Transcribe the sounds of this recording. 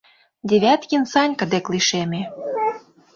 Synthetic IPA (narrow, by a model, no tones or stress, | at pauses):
d̪ʲeβʲæt̪kʲinsɑnʲkə̆d̪ekliʃemʲe